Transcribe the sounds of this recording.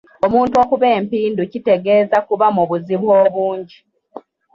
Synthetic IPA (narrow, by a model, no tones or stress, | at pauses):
omuːntuo̞kuβe̞ːmpiːnducite̞ɡe̞ːzakuβamuβuziβwoːβuːɲɟi